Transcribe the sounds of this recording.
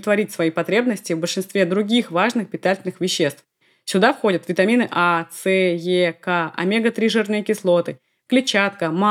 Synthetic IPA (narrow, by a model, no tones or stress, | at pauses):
t̪vɐɾʲitʲsvɐipɐt̪ɾʲe̞bnəsʲtʲɪvbəlʲʂɨnst̪vʲed̪ɾʊɡʲixvaʐnɨxpʲɪt̪atʲɪlʲnɨxvʲɪɕːe̞st̪f | sʲʊd̪afxo̞dʲət̪vʲɪt̪ɐmʲinɨʔat̪sɛjekaʔɐ̰mʲeɡət̪ɾʲiʐɨrnɨjəkʲɪslˠo̞t̪ɨ | klʲɪt͡ɕat̪kəma